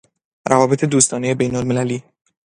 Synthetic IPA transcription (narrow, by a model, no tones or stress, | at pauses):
ɾʔævɒːbe̞t̪ʰe̞d̪uːst̪ɒːne̞jebejnolme̞læliː